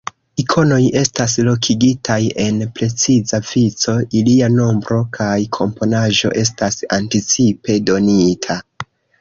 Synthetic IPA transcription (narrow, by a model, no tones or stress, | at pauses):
ikʰo̞no̞je̞stas̬lo̞kʰiɡitʰaje̞npɾe̞t͡sizavit͡so̞iliano̞mbɾo̞kʰajkʰo̞mpo̞naʒo̞̰ʔe̞s̬tasantit͡sipe̞do̞nitʰa